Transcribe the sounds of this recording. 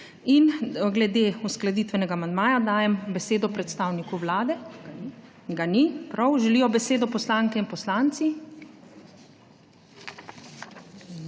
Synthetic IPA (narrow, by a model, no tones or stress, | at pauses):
inɡlɛd̪eːusklad̪iːt̪ʋɛnɛɡaːmand̪maːjad̪aːjɛmbɛseːd̪ɔpɾɛt̪st̪aːwnikuʋlaːd̪ɛ | ɡanipɾawʒɛlijɔbɛseːd̪ɔpɔslaːŋkɛinpɔslaːnt̪si